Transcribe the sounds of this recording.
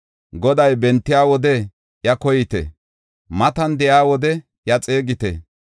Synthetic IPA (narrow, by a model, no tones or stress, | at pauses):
ɡɔd̪ɐjbɛnt̪ːɪjaːwɔd̪ɛ | jɐkɔjɪt̪ɛ̰ | mɐt̪ɐnd̪ɛjaːwɔd̪ɛ | jɐt͡sʼe̞ːɡɪt̪ɛ̰